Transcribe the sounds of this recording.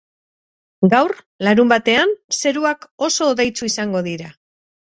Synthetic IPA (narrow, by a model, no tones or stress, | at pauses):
ɡawr | laɾumbat̪e̞anse̞ɾuako̞so̞ːðejt͡suisaŋɡo̞ðiɾa